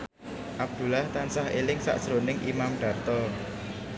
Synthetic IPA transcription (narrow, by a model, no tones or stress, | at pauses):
ʔab̚d̪̥ṳlaht̪ansahelɪŋsa̰ʔsɾo̤nɪŋʔimamɖ̥ä̤rt̪ɔr